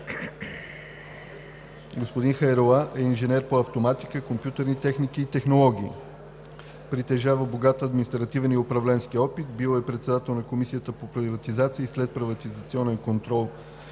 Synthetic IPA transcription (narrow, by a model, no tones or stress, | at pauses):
ɡospod̪inxɐjɾolˠaʔɛinʒɛnɛɾpoɐft̪omat̪ikəkompjut̪əɾnit̪ɛxnikiːt̪ɛxnolˠɔɡʲḭː | pɾit̪ɛʒavəboɡat̪əɐd̪minist̪ɾɐt̪ivɛniʊpɾɐvlɛnsk̟iɔpit̪bilˠoɛpɾɛt̪sɛd̪at̪ɛlˠnɐkomisiət̪əpopɾʲivɐt̪izat̪siːslɛt̪̚pɾivɐt̪izɐt̪siɔnɛnkont̪ɾɔlˠ